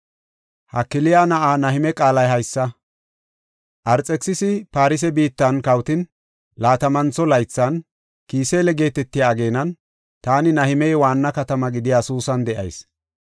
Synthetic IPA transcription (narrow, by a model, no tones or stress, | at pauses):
hɐkːɪlɪjanɐʔaːnɐhɪmɛkʼaːlɐjɦɐjsːɐ | ʔɐɾt͡sʼɛksɪsɪpaːɾɪs̬ɛbiːt̪ːɐnkɐwt̪ɪn | laːt̪ɐmɐnt͡sɔlɐjt͡sːɐn | kiːseːlɛɡe̞ːt̪ɛt̪ːɪjaːɡe̞ːnɐn | t̪aːnɪnɐhɪmɛjwaːnːɐkɐt̪ɐmɐɡɪd̪ɪjaːsuːsɐnd̪ɛʔɐ̰js